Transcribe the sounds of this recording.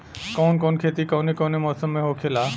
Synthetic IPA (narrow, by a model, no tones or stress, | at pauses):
kɔːnkoːnkʰeːt̪ikɔːnekoːnemɔːsəmːẽɦokʰeːlaː